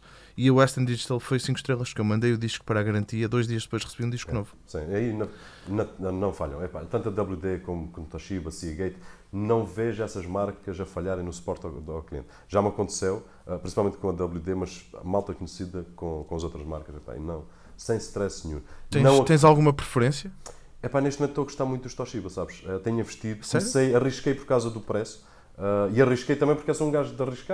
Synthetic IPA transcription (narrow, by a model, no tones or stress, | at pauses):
iɐwɛʃt̪ɐ̃nd̪iʒit̪alˠfojsĩŋkuʃt̪ɾelˠɐʃkewmɐ̃nd̪ejuðiʃku̥pɐɾaɣɐɾɐ̃nt̪iɐðojʒðiɐʒd̪ɨpojʃʁɨsβiũd̪iʃkunovusĩɐinɐnɐnɐ̃nɐ̃w̃faʎɐ̃w̃ɛpa̰t̪ɐ̃nt̪uɐd̪ɐβlˠjuðekomukõnt̪ɐʃiβɐsiɐɣɐjt̪ | nɐ̃w̃veʒɛsɐʒmaɾkɐzɐfɐʎaɾɐ̃j̃nusu̥pɔɾt̪aawklˠiḛ̃nt̪ | ʒamɐkõnt̪sew | ɛpɾĩsipalˠmẽnt̪̚kõɐd̪ɐβlˠuðemɐʃmalˠt̪ɐkuɲsiðɐkõkõɐzowt̪ɾɐʒma̰ɾkɐʃɛpa̰ḭnɐ̃w̃ | sẽj̃ʃʃt̪ɾɛsɲṵ̃t̪ẽnɐ̃w̃ɐtẽj̃zalˠɣumɐpɾɨfɨɾẽsjɐ | ɛpaneʃt̪mẽt̪ːoɐɣuʃt̪aɾmũt̪d̪uʃt̪ɔʃiβɐsaβʃɛt̪ɛɲɐvɨʃt̪iðusɛɾsɐjɐʁiʃkɐjpɔɾkawzɐðupɾɛsu̥ | ɛiɐʁiʃkɐjt̪ɐ̃mɐ̃j̃puɾkɛsoũɡaʒðɐʁiʃka